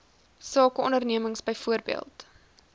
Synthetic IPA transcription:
sɑːkəɔndərniəməŋsbəjfuərbḭəlˠt

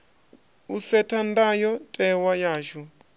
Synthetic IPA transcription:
usɛtʰandajɔtʼɛwajaːʒu

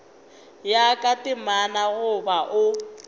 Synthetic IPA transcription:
jakʼatʼɪmanaɣʊbaʔʊ

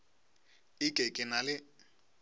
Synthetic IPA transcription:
ɪkʼekʼɪnalɪ

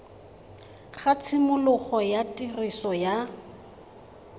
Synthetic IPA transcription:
χat͡sʰɪmʊlʊχɔjatʼirisɔja

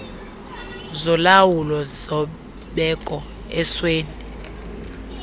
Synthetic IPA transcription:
zɔlawulɔzɔ | ɓɛkʼɔ | ɛsweːni

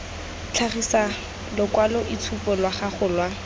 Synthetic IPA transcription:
t͡ɬʰaχisa | lʊkwalɔʔit͡sʰupɔlwaχaχʊlwa

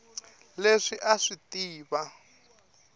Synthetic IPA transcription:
leʂiʔaʂitiːβa

